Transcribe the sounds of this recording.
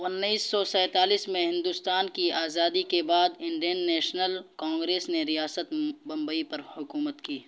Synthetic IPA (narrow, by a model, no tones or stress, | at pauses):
ʊnːiːsːɔsɛ̃ːt̪aːliːsmẽɦɪ̃nd̪ust̪aːnkiaːzaːd̪ikebaːd̪ɪ̃ɳɖijənːɛːʃnəlkãːŋɡɾeːsneɾijaːsət̪bɐ̃mbəipɐɾhʊkuːmət̪kiː